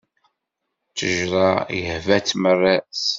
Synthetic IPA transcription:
t͡sːəʒɾˤɑjəhvæt͡sːmərːæs

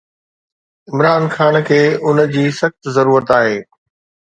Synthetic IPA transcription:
ɪmɾaːnxaːnkʰeːʊn̆d͡ʑiːsɐxt̪zɐɾuːɾət̪aːɦeː

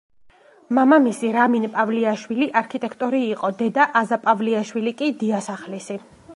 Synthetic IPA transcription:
mamamisiɾaminpʼavliaʃwiliʔaɾkʰit̪ʼɛkʰt̪ʼɔɾiːqʼɔd̪ɛd̪aʔazapʼavliaʃwilikʼid̪iasaχlisi

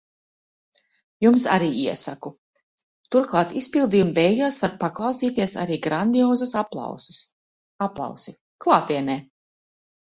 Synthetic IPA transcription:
jumsa̰ɾiːiɛsaku | t̪uɾklˠɑːt̪ispilˠd̪ijumvɛjɡaːsvaɾpaklˠɑwsiːt̪iɛsa̰ɾiːɡɾand̪iɔːzusapl̰ˠwsu̥s | aplˠɑ̰wsi | klˠaːt̪iɛnɛː

